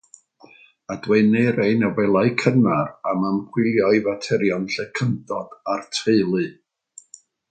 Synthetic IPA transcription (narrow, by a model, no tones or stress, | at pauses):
adweɨnɨɾejnawɛlˠaɨkʰənaramampʰwɪlˠjɔjvatʰɛɾjɔnɬɛkʰəndɔd̥artʰeɨlˠɨ